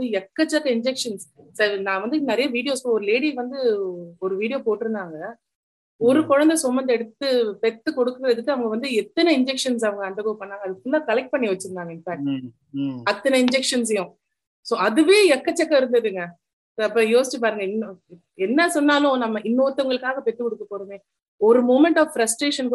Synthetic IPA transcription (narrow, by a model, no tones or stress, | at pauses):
ɯjɛkːɐt͡ʃːɐkːɐɪɲd͡ʒɛkʂɐnssɐɾnãːʋɐnd̪ɯnɐɾɐjɐʋiːɽɪjoːspoːɔɾɯleːɽiʋɐnd̪ɯɔɾɯʋiːɽɪjoːpoːʈːɪɾɯnd̪aːŋɡɐ | ɔɾɯkɔɻɐnd̪ɐsɔmːɐnd̪ɐɛɽɯt̪ːɯpɛt̪ːɯkɔɽɯkːɯɾɐðɯkːɯɐʋɐŋɡɐʋɐnd̪ɯɛt̪ːɐnɐɪɲd͡ʒɛkʂɐns̬ɐʋɐŋɡɐɐnd̪ɐkoːpɐɳːaːŋɡɐðɯkːʊnd̪aːkɐlɐk̚ʈ̚pɐɳːiʋɐt͡ʃːɯɾɯnd̪aːŋɡɐɪnfaːk̚ʈ | ɐt̪ːɐnɐɪɲd͡ʒɛkʂɐnsɛjõ | soːɐðɯʋeːɛkːɐt͡ʃːɛkːɐɪɾɯnd̪ɐðɯŋɡɐ | soːɐpːoːjoːsɪt͡ʃːɯp̬aːɾɯŋɡɐɪnːo | ɛnːɐsɔnːaːlʊ̃nɐmːɐʔɪnːoːt̪ːɐŋɡɐɭɯkːaːɣɐpɛt̪ːɯkɔɽɯkːɐpːoːɾɯmeː | ɔɾɯmoːmɛɳʈaːffɾɐsʈɾeːʂɐnk